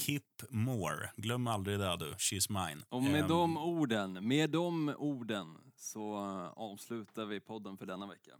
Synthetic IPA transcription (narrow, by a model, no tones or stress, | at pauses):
kʰipːmoːɾɡlœmːald̪ɾɪd̪ɛd̪ɵʃismaɪnʔɔmɛd̪ɔmuːɖənmeːd̪ɔmuːɖənsɔɑːvslʉ̟ːt̪aɾvɪpʰɔd̪ːənfœɖɛnːavɛkːa̰